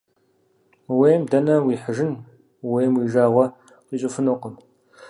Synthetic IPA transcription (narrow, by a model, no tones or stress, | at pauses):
weːmdɐnɐwiːħəʒɪn | weːmwiːʒaːʁʷɐ | qiɕʼɪfɨnʊqəm